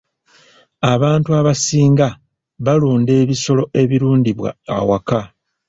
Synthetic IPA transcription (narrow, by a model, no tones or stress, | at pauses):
aβaːntuaβasiːŋɡa | βaluːnde̞ːβiso̞lo̞ʔe̞βiɾuːndiβwa̰a̰waka